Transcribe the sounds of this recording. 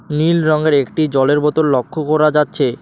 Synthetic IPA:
nilɾɔŋɡeɾekʈid͡ʑɔleɾbɔt̪ollokʰːokɔɾad͡ʑatːɕʰe

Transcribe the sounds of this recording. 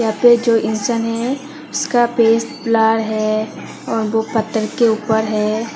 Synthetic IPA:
jɦãped͡ʒoːʔɪnsənɦɛ | ʊskapeːst̪plaːɽɦɛ | ɔːɾʋopɐt̪ːəɾkeuːpəɾɦɛː

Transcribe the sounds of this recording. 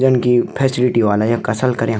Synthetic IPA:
d͡ʒənkipʰɛːsɪlɪʈiʋaːlajãkɐsəlkɐɾẽ

